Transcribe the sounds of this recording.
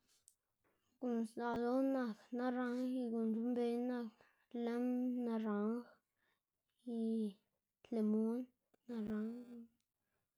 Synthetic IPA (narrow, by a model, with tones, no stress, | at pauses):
ɡu˨nsa˨do˦nã˧˨kna˦ɾa˧˦ŋi˧ɡu˨nd͡ʒu˦mbe˧˦nã˧˨k | le˦mna˧ɾa˨˦ŋx | i˧ | t̪le˨mu˦nː | a˧ɾa˨˦ŋ